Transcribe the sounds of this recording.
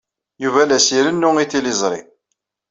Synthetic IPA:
juvælæsiɾənːʊiθilizˤɾˤḭ

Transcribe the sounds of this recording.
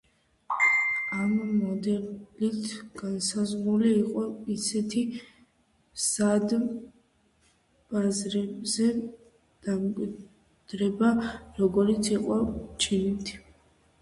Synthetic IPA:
amːɔd̪ɛlit̪ʰɡ̥ansazʁɾuliːqʼɔisɛt̪ʰi | sad̪ | b̥azɾɛbzɛ | d̪̥amkʼwi | d̪̥ɾɛbaɾɔɡɔɾit̪sʰiqʼɔt͡ʃʰinit̪ʰ

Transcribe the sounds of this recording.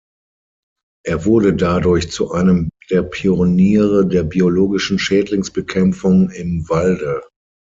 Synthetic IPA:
ʔeːɐvʊɐdədadʊɐçt͡suʔaɪnəmd̥eːɐpʰioniːʁədeːɐbioloːɡɪʃn̩ʃɛːtlɪŋsb̥əkʰɛmp͡fʊŋɪmvaldə

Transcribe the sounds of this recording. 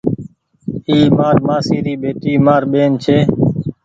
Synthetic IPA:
iːmaːɾmaːsiːɾiːɓeːt̪iːmaːɾɓeːnt͡ʃʰeː

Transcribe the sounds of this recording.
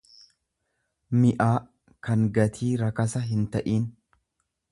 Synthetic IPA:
mɪʔaː | kɐŋɡɐt̪ʰiːɾɐkɐsɐɦɪnt̪ɐʔiːn

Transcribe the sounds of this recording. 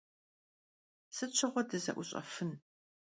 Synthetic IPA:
sɨt͡ʃʰɐʁʷɔdɐzɐ̰ʔʷʊɕʼɐ̰fɨn

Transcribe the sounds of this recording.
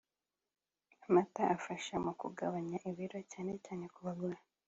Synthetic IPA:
amataʔafaʃamukṵɡaβaɲaʔiβiɾo̞caːne̞caːne̞kuβabɡah

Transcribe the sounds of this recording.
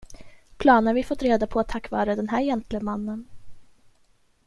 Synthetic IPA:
pʰlɑːnəɳvɪfɔt̪ɾeːd̪apʰɔat̪ʰːakːvɑːɾad̪ɛnɦæːɾjɛnt̪ʰlɪmanːən

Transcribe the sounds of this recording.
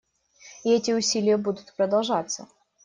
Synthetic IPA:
ɪɛtʲɪʊsʲilʲɪjəbud̪ʊt̪pɾəd̪ɐlˠʐat̪sə

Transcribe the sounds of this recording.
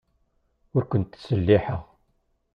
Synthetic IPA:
ʊɾkʷʊnt̪səlːiħəʁ

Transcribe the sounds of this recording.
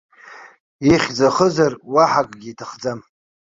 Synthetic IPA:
iχʲd͡zaχəzarwaħakʼɡʲiːtʰaχd͡zam

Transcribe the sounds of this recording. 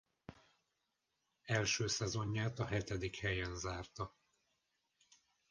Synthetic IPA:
ɛlʃøːsɛzo̞ɲːaːt̪ɒɦɛt̪ɛd̪ikhɛjɛnzaːrt̪ɒ

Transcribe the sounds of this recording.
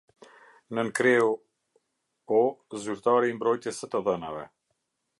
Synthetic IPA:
nənkɾɛu | ɔzyɾt̪aɾimbɾɔjt̪jɛsət̪əðəna̰vɛ̰

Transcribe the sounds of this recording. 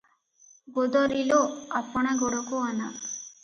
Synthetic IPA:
ɡod̪ɔɾiloapɔɽ̃eɡoɽɔkuana

